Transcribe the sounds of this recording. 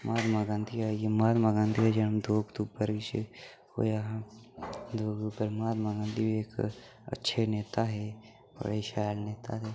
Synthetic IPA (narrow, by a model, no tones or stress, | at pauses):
mʔaːd̪maːɡãːnd̪iɦajemaːd̪maːɡãːnd̪iɦad͡ʒənəmd̪oːɡd̪uːpəɾt͡ʃ | o̰jaɦ | d̪oːɡupəɾmaːd̪maɡãːnd̪ibʱieːk | ə̰tːʃʰeneːt̪aɦɛ | bə̰ɽeʃaːjlneːt̪at̪ɛː